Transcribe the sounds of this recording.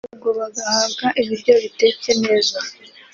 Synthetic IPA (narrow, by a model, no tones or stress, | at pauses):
ɡo̞βaɡahaːbɡaʔiβiɾɟo̞βite̞ːce̞ne̞ːza